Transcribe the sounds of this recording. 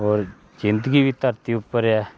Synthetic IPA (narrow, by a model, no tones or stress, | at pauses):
ɔːɾ | zɪ̃nd̪əɡiːbit̪əɾt̪iːʊpːəɾɛː